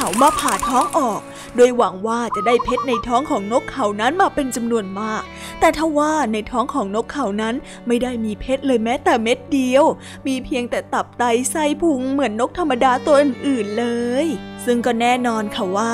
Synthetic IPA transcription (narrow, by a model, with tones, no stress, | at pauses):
kʰa˩˦wmaː˧pʰaː˨˩t̪ʰɔː˦˥ŋʔɔː˨˩k̚ | du˧˩əjwa˨˩˦ŋwaː˥˩t͡ɕa˨˩daː˥˩jpʰe˦˥t̪̚na˧jt̪ʰɔː˦˥ŋkʰɔː˩˦ŋno˦˥kʰːa˨˩˦wna˦˥nmaː˧pe˧nt͡ɕa˧mnu˧ənmaː˥˩k̚ | t̪ɛː˨˩t̪ʰa˥˩wwaː˥˩na˧jt̪ʰɔː˦˥ŋkʰɔː˩˦ŋno˦˥kʰːa˨˩˦wna˦˥n | ma˥˩jdaː˥˩jmiː˧pʰe˦˥t̪̚lɤː˧jmɛː˦˥t̪ɛː˨˩me˦˥t̪̚di˧əw | miː˧pʰi˧əŋt̪ɛː˨˩t̪a˨˩p̚t̪a˧jsa˥˩jpʰu˧ŋmɯ˨˩˦ənːo˦˥k̚t̪ʰa˧mːa˧daː˧t̪u˧ɐʔɯː˨˩nʔɯː˨˩nlɤː˧jsɯ˥˩ŋkɔː˥˩nɛː˥˩nɔː˧nkʰa˥˩waː˥˩